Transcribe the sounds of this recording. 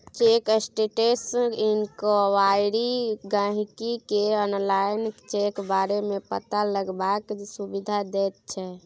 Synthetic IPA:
t͡ʃekesʈeʈesinkoʋajɾiɡãɦkikeɔnlajnt͡ʃekbaɾemepə̰t̪aləɡbaksubid̪ʱad̪ɛt̪̚t͡ʃʰɛ

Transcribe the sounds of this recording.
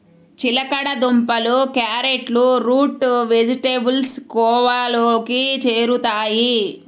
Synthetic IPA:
t͡ʃilɐkɐɽɐd̪umpɐlukjaːɾeʈluɾuːʈʋed͡ʒiʈebulskɔːʋaloːkit͡ʃeːɾut̪aːji

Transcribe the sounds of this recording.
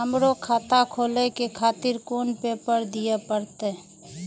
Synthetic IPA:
əmɾokʰaːt̪akʰoːlekekʰaːt̪ɪɾkoːnpeːpəɾd̪ijepəɾt̪e

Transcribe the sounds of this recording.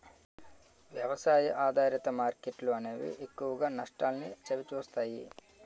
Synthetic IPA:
ʋjɐʋɐsaːjiʔaːd̪ʱaːɾjɐt̪ɐmaːɾkeʈluɐneːʋḭʔekːuʋɐɡaːnɐʂʈaːlnit͡ʃɐʋit͡ʃuːst̪aːjḭ

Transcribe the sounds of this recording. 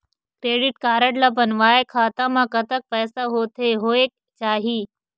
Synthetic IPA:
kɾeːɖɪʈkaːɾəʈlɐbənʋaːekʰaːt̪ãmãkɐt̪ək̚pɛːsaɦoːt̪ʰeɦoːek | t͡ʃaːɦiː

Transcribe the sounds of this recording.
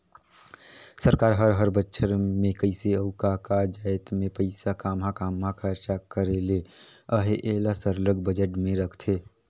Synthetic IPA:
səɾkaːɾɦəɾɦəɾbətːʃʰəɾmẽkəɪseəʊkakad͡ʒaːɪt̪mẽpəɪsakaːmɦakaːmakʰəɾt͡ʃakəɾeːleəɦeʔeːlasəɾləɡbəd͡ʒəʈmẽɾəkʰt̪ʰeː

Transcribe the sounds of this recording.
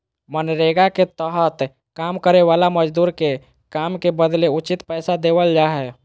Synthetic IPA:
mənɾeɡaket̪əɦət̪ | kaːmkəɾeʋaːlaməd͡ʒd̪uːɾke | kaːmkebəd̪leʊt͡ʃɪt̪pɛːsad̪eːwəld͡ʒaːɦɛ

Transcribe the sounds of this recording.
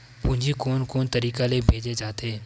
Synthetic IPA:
pʊ̃ɦɲd͡ʒikoːnkoːnt̪ɐɾiːkalebʱeːd͡ʒed͡ʒaːt̪eː

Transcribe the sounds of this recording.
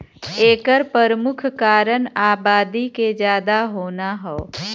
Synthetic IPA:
eːkəɾpəɾəmʊkʰkaːɾənaːbaːd̪iked͡ʒjaːd̪aɦoːnaɦɛo

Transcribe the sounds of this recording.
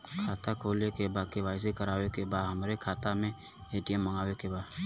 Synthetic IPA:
kʰaːt̪akʰoːlekebaːkeʋaːɪsekɐɾaːwekebaːd̪ɦɐmɾekʰaːt̪amẽ | eːʈijəmːəŋɡaːwekebaːd̪

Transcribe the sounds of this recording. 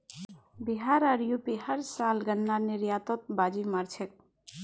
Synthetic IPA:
biɦaɾəɾjupiɦəɾsalɡənːaniɾjat̪ot̪̚bad͡ʒimaɾt͡ʃʰek̚

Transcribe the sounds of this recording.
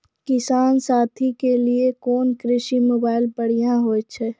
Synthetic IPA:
kɪsaːnsaːt̪ʰikeliekɔːnkɾɪʃimoːbaːɪlpəɽ̤ijãɦoːt͡ʃʰɛː

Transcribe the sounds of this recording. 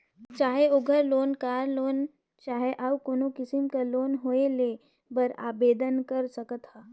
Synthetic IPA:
t͡ʃaːɦeoɡʱəɾloːnkaːɾloːn | t͡ʃaːɦeʔawkoːnokɪsɪmkaloːnɦoːele | bəɾa̰ːbeːd̪ənkɐɾsɐkət̪haː

